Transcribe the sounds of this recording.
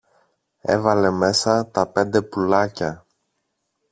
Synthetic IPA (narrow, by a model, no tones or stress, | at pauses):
e̞̰vɐle̞me̞sɐt̪ɐpe̞nd̪e̞pulɐcɐ